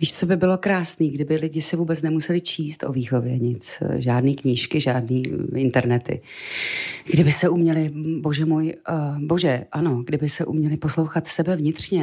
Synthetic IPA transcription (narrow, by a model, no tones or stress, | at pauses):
viːʃt͡so̞bɪbɪlo̞kɾaːsniːɡdɪbɪlɪɟɪsɪvuːbɛt͡snɛmusɛlɪt͡ʃʰiːst̪ʔo̞̰viːxo̞vjɛɲɪt͡sʒaːdniːkɲiːʃkɪʒaːdniːʔɪnt̪ɛɾnɛt̪ɪ̰ | ɡdɪbɪsɛʔumɲɛlɪbo̞ʒɛmuːjbo̞ʒɛʔano̞ɡdɪbɪsɛʔumɲɛlɪpo̞slo̞wxat̪sɛbɛvɲɪt̪r̝̥ɲɛ